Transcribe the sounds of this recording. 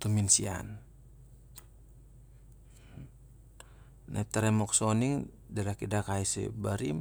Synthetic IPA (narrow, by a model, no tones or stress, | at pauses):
t̪uminsia̰n | na̰ip̚t̪aɾɛmɔksɔniŋ | dalakidakaisɛ̰baɾim